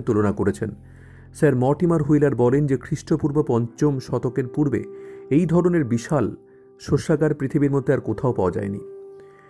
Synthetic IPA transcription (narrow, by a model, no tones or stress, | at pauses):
t̪ulonakoɾet͡ɕʰen | saɾmɔʈimaɾɦujlaɾbɔlend͡ʑekʰɾiʃʈopuɾbopɔnt͡ɕomʃɔt̪okeɾpuɾbḛejd̪ʱɔɾoneɾbiʃal | ʃoʃːakaɾpɾit̪ʰibiɾmod̪ʱeaɾkot̪ʰaopaad͡ʑa̰enḭ